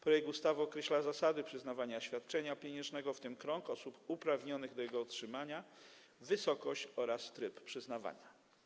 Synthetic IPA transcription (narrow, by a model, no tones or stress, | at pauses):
pɾɔjɛk̚t̪ust̪avɘɔkɾɛɕlazasad̪ɘpʂɘzn̪avaɲaɕfʲjat̪̚t͡ʂɛɲapʲjɛɲɛ̃ʐnɛɡɔft̪ɘmkɾɔŋkɔsupupɾavɲɔnɘɣd̪ɔjɛɡɔɔtʂɘmaɲa | vɘsɔkɔɕt͡ɕɔɾast̪ɾɘppʂɘznava̰ɲa